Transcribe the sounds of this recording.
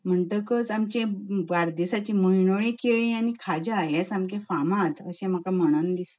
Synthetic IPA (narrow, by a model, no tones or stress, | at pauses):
m̤əɳʈəkət͡samt͡ɕẽʋaɾd̪esat͡ɕĩməɦiɳoɭẽkeɭĩanikʰad͡ʑaɦɛsamkẽfamãt̪ə̰ɕẽm̤əkaməɽ̃ənlis